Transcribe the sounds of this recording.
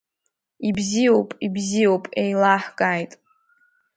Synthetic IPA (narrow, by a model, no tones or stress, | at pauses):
ibzijo̞wpʼibzijo̞wpʼejlaħkʼajtʼ